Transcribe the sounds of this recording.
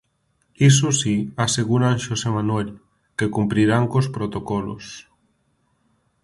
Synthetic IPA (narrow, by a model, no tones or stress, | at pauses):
is̬osiaseɣuɾaŋʃosemanwel | kekumpɾiɾaŋkospɾot̪okɔlo̰s